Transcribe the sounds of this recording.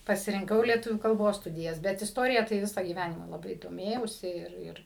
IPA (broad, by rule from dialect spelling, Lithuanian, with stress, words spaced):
pɐsʲɪrʲɪŋˈkɐʊ lʲiɛˈtʊʋʲuː kɐlˠˈboːs ˈstʊdʲɪjɛs ˈbʲɛt ɪsˈtoːrʲɪjɛ tɐɪ ˈʋʲɪsɐ ɡʲiːˈʋʲænʲɪmɐ lˠɐˈbɐɪ doːˈmʲeːjɛʊsʲɪ ˈɪr ˈɪr